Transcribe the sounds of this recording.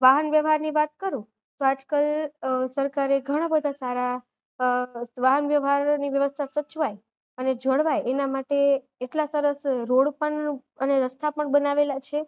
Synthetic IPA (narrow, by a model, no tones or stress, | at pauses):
ʋaɦənʋjəʋɦaɾniʋat̪̚kəɾũ | t̪oad͡ʒkalsəɾkaɾeɡʱəɽ̃abəd̪ʱasaɾa | ʋaɦənʋjəʋɦaɾniʋjəʋəst̪ʰasət͡ʃʋaj | əned͡ʒəɽʋajenamaʈeː | ʈlasəɾəsɾoɽpəɳ | əneɾəst̪ʰapəɳbənaʋelat͡ʃʰe